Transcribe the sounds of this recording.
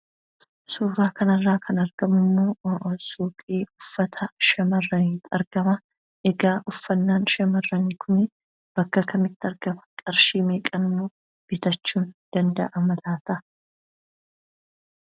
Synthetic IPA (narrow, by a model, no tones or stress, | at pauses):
suːɾaːkɐnɐrːaːkʰɐnɐɾɡɐmʊmːo̞ːsuːkʼiːʊfːɐt̪ʰɐʃɐmɐrːɐniːt̪ɐ̰ɾɡ̥ɐmɐ | ʔɛɡaːʔʊfːɐnːaːnʃɐmɐrːɐniːkʰʊnɪ | b̥ɐkːɐkɐmɪt̪ːɐɾɡɐmɐ̥kʼɐɾʃiːmeːkʼɐnʊmːoː | b̥ɪt̪ɐt͡ʃːuːnd̪̥ɐnd̪ɐ̰ʔɐmɐlaːt̪ɐ